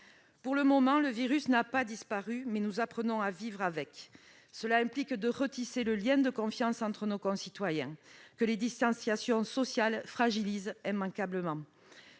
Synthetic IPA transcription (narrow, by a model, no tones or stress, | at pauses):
puʁləmɔmɑ̃ləviʁysnapad̪ispaʁymɛnuzapχənɔ̃avivʁavɛk | səlaɛ̃mplikd̪əʁət̪iseləljɛ̃d̪əkɔ̃fjɑ̃sɑ̃nt̪χənokɔ̃sit̪wajɛ̃kəled̪ist̪ɑ̃sjasjɔ̃sɔsjalfχaʒilizɛ̃mɑ̃kabləmɑ̃